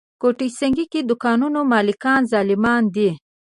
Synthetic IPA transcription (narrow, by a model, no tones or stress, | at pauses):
koʈijsəŋɡikid̪ʊkɑnunomɑːlɪkɑːnzɑlɪmɑnd̪i